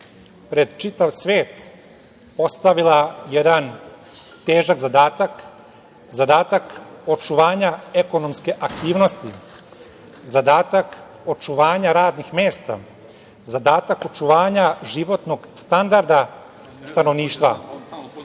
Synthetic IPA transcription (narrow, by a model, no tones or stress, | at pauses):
pɾe̞d̪t͡ʃit̪aʋsʋeːt̪ | po̞st̪aʋilajed̪an | t̪eːʒaɡzad̪aːt̪ak | zad̪aːt̪ako̞t͡ʃuʋaːɲae̞ko̞nomske̞ʔakt̪iːʋnost̪i | zad̪aːt̪ak | o̞t͡ʃuʋaːɲaɾaːd̪nixmeːst̪a̰ | zad̪aːt̪ako̞t͡ʃuʋaːɲaʒiʋo̞t̪no̞ɡst̪and̪aɾd̪a | st̪ano̞ʋniːʃt̪ʋa̰